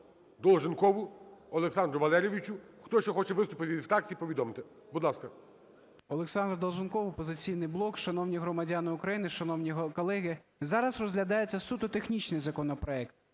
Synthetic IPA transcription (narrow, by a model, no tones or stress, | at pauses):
d̪ɔlˠʒɪnkɔʋʊɔlˠeksɑnd̪ɾʊʋɐlˠɛɾʲeʋʲit͡ʃʊ | xt̪ɔʃt͡ʃɔxɔt͡ʃɛʋɪst̪ʊpɪt̪ʲʋʲid̪wt̪ɑk̚t͡sʲiipɔʋʲid̪ɔmt̪ɪ | bud̪lˠɑskɐ | ɔlˠeksɑnd̪rd̪ɔlˠʒɪnkɔʋʊpɔzɪt͡sʲijnɪjblˠɔkʃɐnɔwnʲiɦɾɔmɐdʲanɪʊkɾɐjinɪʃɐnɔwnʲiɦkɔlˠɛɦɪzɑɾɐzrɔzʲɦlʲɐd̪ɑjet͡sʲːɐsut̪ʊt̪exnʲit͡ʃnɪjzɐkɔnɔpɾɔɛkt̪̚